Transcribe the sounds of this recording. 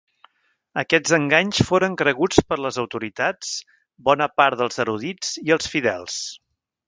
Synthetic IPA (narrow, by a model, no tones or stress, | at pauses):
əkɛd͡zzəŋɡaɲsfoɾəŋkɾəɣut͡spəɾləzəwt̪uɾit̪at͡s | bɔnəpaɾt̪ðəlˠzəɾuðit͡siəlˠsfiðɛlˠs